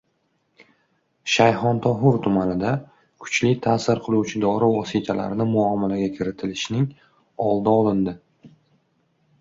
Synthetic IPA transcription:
ʃajhɒnt̪ʰɒɦʊɾt̪ʰʊmanɪd̪a | kʰʊ̥t͡ʃlɪt̪ʰaːsɪɾqʰɨlˠuwt͡ʃʰɪd̪ɒɾɪvɒsit̪ʰala̰ɾnɪmʊɒmalaɡʲakʲʰɪɾɪt̪ʰɪlɪʃnɪŋ | ɒlˠd̪aɒlˠɪnd̪ɪ

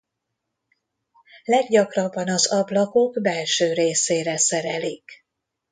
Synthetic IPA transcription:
lɛɡɟɒkrɒbːɒnɒzɒblɒko̞ɡbɛlʃøːɾeːseːɾɛsɛɾɛlik

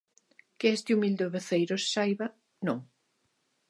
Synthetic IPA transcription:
kɪɛst̪ɪumild̪oβeθejɾosːajβɐ | nõŋ

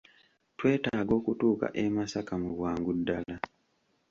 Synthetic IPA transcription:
twe̞ːtaːɡo̞ːkutuːka̰ʔemasakamuβwaːŋɡudːala

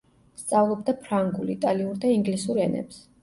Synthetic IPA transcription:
st̪sʼavlˠɔb̚d̪apʰɾaŋɡulit̪ʼaliuɾd̪aiŋɡlisuɾɛnɛ̰ps

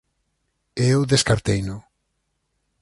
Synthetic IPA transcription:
ewðeskaɾt̪ejnʊ

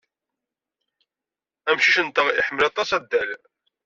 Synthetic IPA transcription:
æmʃiʃənt̪əʁḭħəmːəlɑt̪ˤɑsæd̪ːæl

